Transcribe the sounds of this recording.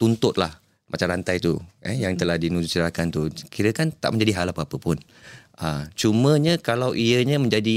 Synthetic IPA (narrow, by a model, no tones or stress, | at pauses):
t̪unt̪ʊt̪̚la̰h | mʔat͡ʃamɾant̪ajt̪uəjaŋt̪əlahdinud͡ʒut͡ʃədɾakant̪ukiɾəkant̪a̰ʔmə̃ɲd͡ʒadiɦalapapəpʊn | ʔət͡ʃumə̃ɲəkalawʔiəɲəmə̃ɲd͡ʒadi